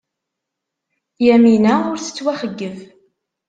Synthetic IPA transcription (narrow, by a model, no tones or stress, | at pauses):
jæminæʊɾθə̥t͡sːwæχəɡːəv